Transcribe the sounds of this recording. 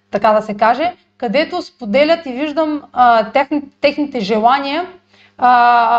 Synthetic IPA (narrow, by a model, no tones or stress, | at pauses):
t̪ɐkad̪ɐsɛkaʒɛ | kɐd̪ɛt̪ospod̪ɛlʲət̪iviʒd̪əmt̪ɛxnt̪ːɛxnit̪ɛʒɛlˠanʲiə